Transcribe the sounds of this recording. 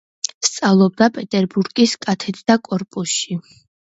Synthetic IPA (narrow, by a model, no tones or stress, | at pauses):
st̪sʼavlˠɔb̚d̪apʼɛt̪ʼɛɾbuɾɡiskʼat̪ʰɛt̪ʰʼd̪̥akʼɔɾpʼusʃi